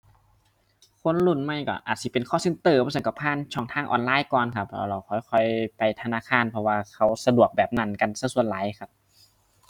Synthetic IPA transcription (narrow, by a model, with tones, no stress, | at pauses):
kʰo˧˥˨nlu˧˩nma˧˥˩jkɔ̰˧˩ʔaː˨˩t̪̚si˧˩pe˨nkʰɔː˧˥˩se˧˥˦nt̪ɤː˧˩pʰɔː˧˥sɤ˧˦ŋkɔ˧˩pʰaː˧˥˨nt͡ɕʰɔː˧˩ŋt̪ʰaː˧˩˨ʔɔ̰ː˨nlaː˧˥˨jkɔː˨˩nkʰa˧p̚la̰˧˩wla˧˩wkʰɔː˨˧˩jkʰɔ˧˩jpa˨jt̪ʰa˧naː˧˥˨kʰaː˧˥˨npʰɔ˧waː˧kʰa˧˩wsa˧du˨˩ək̚bɛː˨˩p̚na˧˥˩nka˧˨nsa˧˨su˧˩˨ənlaː˨˦jxʰa˧˥p̚